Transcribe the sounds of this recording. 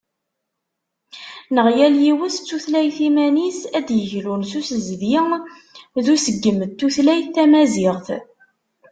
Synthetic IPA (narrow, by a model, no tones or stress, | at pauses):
nəʁjæljiwəst͡sːuθlæjθimænisæd̪jəʝlunsusəzðjɪŋ | ðusəɡːəmðt̪ːuθlæjθθæmæzɪʁθ